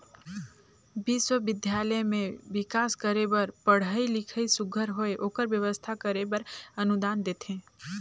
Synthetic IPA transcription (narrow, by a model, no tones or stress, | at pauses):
biswəbɪd̪ʱjaləemẽʋɪkaːskəɾebəɾpəɽ̤əilɪkʰəisʊɡʱəɾɦoeʔoːkəɾbjəʋəst̪ʰakəɾebəɾənud̪aːnd̪eːt̪ʰẽː